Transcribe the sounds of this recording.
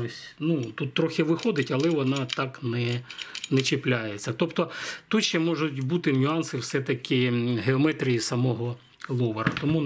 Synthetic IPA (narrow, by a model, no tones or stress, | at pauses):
osʲnut̪ut̪ːɾɔxʲɪʋɪxɔd̪ɪtʲɐlˠɛʋɔnɑt̪ɑknɛnɛt͡ʃɪplʲajet͡sʲːɐt̪ɔpt̪ɔt̪uʃɛmɔʒʊtʲbut̪ɪnʲʊɑnsɪwsɛt̪ɐkʲʰɪɦeɔmɛt̪ɾʲijisɐmɔɦɔ | lˠɔʋɐɾɐ̰t̪ɔmu